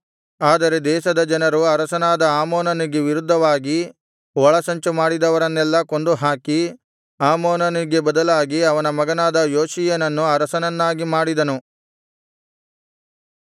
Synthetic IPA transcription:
aːd̪ɐɾe̞d̪ɛːʃɐd̪ɐd͡ʒɐnɐɾuɐɾɐsɐnaːd̪ɐaːmoːnɐniɡe̞ʋiɾud̪ʱːɐʋaːɡi | ʋɔɭɐsɐɲt͡ʃumaːɽid̪ɐʋɐɾɐnːɛlːɐko̞nd̪uɦaːki | aːmoːnɐniɡe̞bɐd̪ɐlaːɡiɐʋɐnɐmɐɡɐnaːd̪ɐjoːʃijɐnɐnːuɐɾɐsɐnɐnːaːɡimaːɽid̪ɐnu

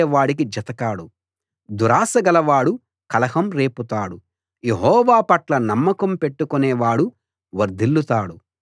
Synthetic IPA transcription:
ʋaːɽik̬id͡ʒɐt̪ɐkaːɽu | d̪uɾaːsɐɡɐlɐʋaːɽu | kɐlɐhɐmɾe̞ːput̪aːɽu | je̞ɦɔːʋaːpɐʈlɐnɐmːɐkɐmpe̞ʈːukunɛːʋaːɽu | ʋɐɾd̪ʱilːut̪aːɽu

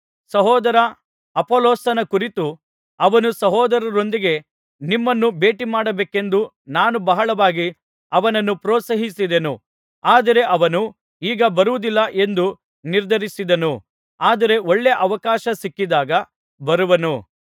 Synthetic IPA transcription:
sɐɦɔːd̪ɐɾɐ | ɐpoːloːsɐnɐkuɾit̪u | ɐʋɐnusɐɦɔːd̪ɐɾɐɾo̞nd̪iɡe̞ | nimːɐnːube̞ːʈimaːɽɐbeːke̞nd̪u | naːnubɐɦɐɭɐʋaːɡi | ɐʋɐnɐnːupɾɔːt̪sɐɦisid̪enu | aːd̪ɐɾe̞ʔɐʋɐnu | iːɡɐbɐɾuʋud̪ilːɐʔe̞nd̪u | niɾd̪ʱɐɾisid̪ɐnu | aːd̪ɐɾe̞oɭːeʔɐʋɐkaːʃɐsikːid̪aːɡɐ | bɐɾuʋɐnu

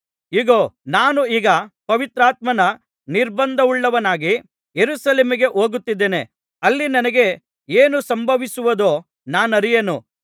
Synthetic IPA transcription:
iːɡoːnaːnuiːɡɐpɐʋit̪ɾaːt̪̚mɐnɐ | niɾbɐnd̪ʱɐʋuɭːɐʋɐnaːɡi | jeɾuːsɐleːmiɡe̞ʔoːɡut̪ːid̪ːeːne̞ | ɐlːinɐnɐɡe̞ | eːnusɐmbʱɐʋisuʋɐd̪oː | naːnɐɾijenu

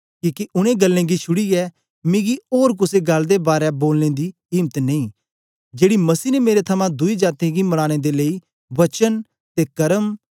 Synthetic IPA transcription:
kiːkiʔʊɽ̃ẽɡəlːẽɡit͡ʃʰʊɽiɛː | mẽːɡioːɾk̬ʊseɡɐld̪ebaːɾɛboːlned̪i | ɪːmt̪nẽĩː | d͡ʒeːɽimɐsiːnemeːɾet̪ʰɐmãd̪ʊid͡ʒaːt̪ẽɡimɐɽ̃ãːɽ̃ed̪elei | ʋɐt͡ʃən | t̪ekɐɾəm

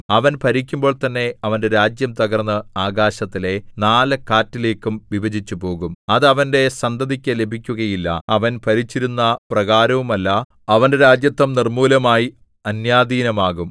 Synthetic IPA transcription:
ɐʋɐnpɐɾikʲːumbo̞ːɭt̪ɐnːe̞ɐʋɐnde̞ɾaːd͡ʑjɐmt̪ɐɣɐrnːɨaːɡaːɕɐt̪ːile̞naːlɨkaːtːileːkːumʋibɐd͡ʑit͡ɕːupo̞ːɣumɐðɐʋɐnde̞sɐnd̪ɐðikʲːɐle̞bʱikʲːuɣɐjilːɐ̰ɐʋɐnpɐɾit͡ɕːiɾunːɐprɐɣaːɾɐʋumɐlːɐ | ɐʋɐnde̞ɾaːd͡ʑjɐt̪ːɐmnirmuːlɐmaːji | ɐnjaːd̪iːnɐmaːɣum

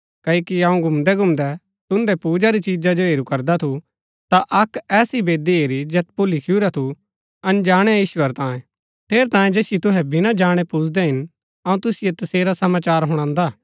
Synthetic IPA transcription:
kɐoːkiɐũɡʱʊmd̪ɛɡʱʊmd̪ɛ | t̪ʊnd̪ɛpuːd͡ʒaɾit͡ʃiːd͡ʒad͡ʒoɦeːɾukɐɾd̪at̪ʰu | t̪aʔɐkɛːsibeːd̪ieːɾid͡ʒɛːt̪̚pʊlikʰɪjuɾat̪ʰu | ɐnd͡ʒaːɽ̃ɛjiːʃwəɾt̪ãːjẽ | t̪ʰeːɾt̪ãːjẽd͡ʒeːsɪjot̪ʊɦɛbɪnãd͡ʒaːɽ̃epuːd͡ʒʰd̪ɛɦɪn | ɐũt̪ʊsɪjet̪ɐseːɾasɐmaːt͡ʃaːɾɦʊɽ̃ãːnd̪a

